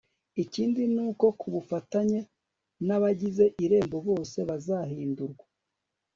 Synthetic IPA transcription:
iciːndinuːko̞kʰuβufataɲe | naβaɟize̞ʔiɾe̞ːmbo̞βo̞ːse̞βazahiːnduɾɡwa

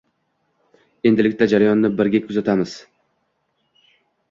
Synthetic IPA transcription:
e̞nd̪ɪlɪkʲt̪ad͡ʒaɾajɒnːɪbɪɾɡʲakʰʊzat̪ʰamɪz̥

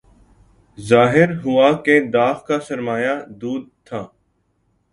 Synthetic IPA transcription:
zaːɦɪɾɦʊaːked̪aːxkasəɾmaːjad̪uːd̪̚t̪ʰaː

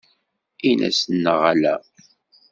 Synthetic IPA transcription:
inæ̰snːəʁalæ

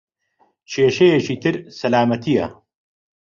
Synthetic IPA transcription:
t͡ʃʰeːʃejet͡ʃʰiːt̪ʰɨɾsɐlaːmɐt̪ʰijɐ̰

